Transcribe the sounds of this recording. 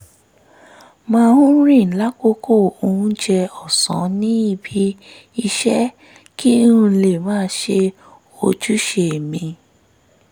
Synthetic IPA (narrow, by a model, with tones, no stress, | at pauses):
mãː˦˧hũ˦ɾĩ˦˨la˦ko˦ko˦˨o˧ũ˦d͡ʒɛ˧ɔ˦˨sɔ̰̃˨˦nĩ˦i˦˨bi˨˦ | i˧ʃɛ˦ | ki˦ũ˧le˨mãː˨˦ʃe˧ | o˧d͡ʒu˦ʃe˧˨mĩ˧